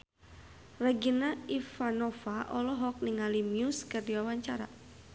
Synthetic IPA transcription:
raɡinaifanɔfaʔɔlɔɦɔk̚niŋalimjuskərdiwawaɲt͡ʃaɾa̰

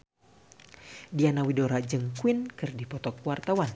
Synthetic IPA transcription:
dianawidoɾad͡ʒəŋkwinkɨrdipɔt̪ɔkuwart̪awan

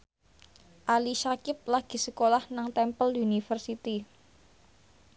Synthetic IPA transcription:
ʔaliʃakɪp̚laɡ̥i̤səkolahnaŋt̪ɛmpəlunifərsit̪i

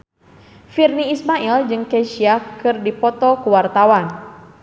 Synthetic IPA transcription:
firniːsmaild͡ʒɨŋkeʃiakɨrdipɔt̪ɔkuwart̪awan

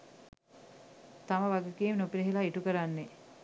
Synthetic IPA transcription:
t̪aməʋaɡəkiːmnopiɾeɦilaiʈukəɾanːe

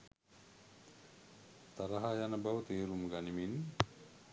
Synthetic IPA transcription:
t̪aɾaɦajanəbawət̪eːɾumɡanimin

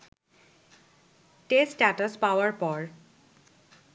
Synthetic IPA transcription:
ʈesʈatəspawaɹpɔɹ

